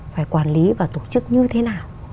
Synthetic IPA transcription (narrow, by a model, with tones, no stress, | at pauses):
faː˧˩jkwaː˧˩nli˨˦vaː˨˩t̪o˧˩t͡ɕɨ˦˥k̚ɲɨ˧t̪ʰe˨˦naː˨˩w